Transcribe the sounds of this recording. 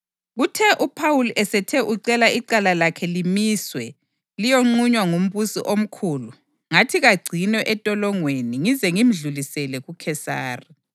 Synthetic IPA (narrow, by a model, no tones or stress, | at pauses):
ɣutʰɛʔupʰawulʔɛsɛtʰɛʔuǀɛlaiǀalalakʰɛlimiːswɛ | lijoŋ͡ǃuɲwaŋum̩βusḭʔom̩kʰuːlu | ŋatʰiɣaɡ͡ǀʱinɛʔɛtʼɔlɔŋweniŋizɛŋim̩ɮulisɛlɛɣukʰɛsa̰ːri